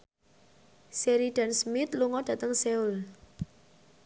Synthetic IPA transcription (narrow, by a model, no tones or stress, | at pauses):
seɾiɖ̥ansmɪt̪luŋɔd̥ä̤t̪əŋseul